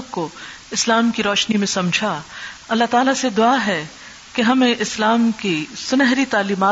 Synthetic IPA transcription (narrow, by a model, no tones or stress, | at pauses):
ko | ɪslaːmkiɾɔːʃnimẽsɐmd͡ʒʱaɐlːaɦt̪aːlased̪ʊaɦɛ | keɦɐmẽʔɪslaːmkisʊnɛɦɾit̪aːliːmaː